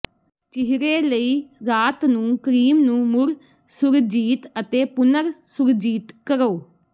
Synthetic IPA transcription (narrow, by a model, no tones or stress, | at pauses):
t͡ʃɪɦɾeːləiːɾaːt̪nũːkəɾiːmnũːmʊɾ | sʊɾd͡ʒiːt̪ət̪eːpʊnəɾsʊɾd͡ʒiːt̪kəɾoː